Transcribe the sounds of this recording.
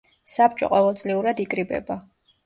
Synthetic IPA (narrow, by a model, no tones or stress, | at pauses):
sap̚t͡ʃʼɔ̰qʼɔvɛlˠt̪sʼliuɾad̪ikʼɾibɛ̰ba